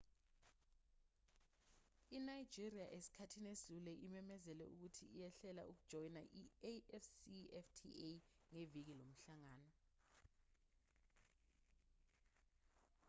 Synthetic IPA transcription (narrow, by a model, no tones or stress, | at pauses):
inajd̥d͡ʒʱiriaʔesi̥kʰatʰinesulɛʔimɛmɛzɛlɛuk̬utʰiːjɛɬɛla̰ʔuk̬ud̥ʒ̥ʱɔjnaʔieɛfsiɛftʰieŋevik̬ilom̩ɬaŋaːnɔ